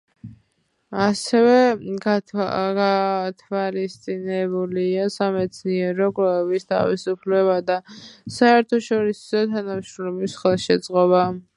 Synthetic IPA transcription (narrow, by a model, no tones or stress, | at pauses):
asɛvɛaat̪ʰvalist̪sʼinɛbuliasamɛt̪sʰniɛɾɔkʼɛɛbist̪ʰa̰visupʰlɛβad̪asaɛɾt̪ʰɔʃɔɾisɔt̪ʰanamʃɾɔmlɛbisχɛlˠʃɛd̪z̥ʼqʼɔba